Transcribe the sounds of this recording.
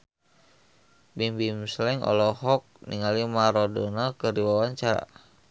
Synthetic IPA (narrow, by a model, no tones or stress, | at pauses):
bimbimslɛŋʔɔ̰lɔhɔk̚nḭŋalimaɾodɔnakəɾiwawaɲt͡ʃaɾa̰